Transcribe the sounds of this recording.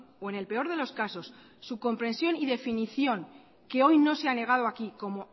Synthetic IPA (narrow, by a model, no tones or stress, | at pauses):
oe̞ne̞lpe̞o̞ɾð̞e̞lo̞skaso̞sː | uko̞mpɾe̞nsjo̞niðe̞finiθjo̞ŋ | ke̞o̞jno̞seane̞ɣ̞að̞o̞akiko̞mo̞